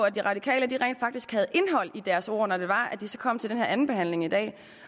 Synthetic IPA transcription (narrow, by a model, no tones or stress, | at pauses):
æd̥iʁɑ̈d̥ikʰɛ̰ːləd̥iʁɛḛnd̥fɑ̈ɡ̥d̥isɡ̥hæð̞̩ˠʔe̝nɦɒ̽l̰id̥æɐso̝̰ɐ̰nɒd̥e̝ʋɑ̈æd̥isɒ̽kʰɒ̽m̰t͡sʰe̝ld̥enheɐ̰æn̩b̥e̝ɦhæn̰le̝ŋid̥ɛ̰ː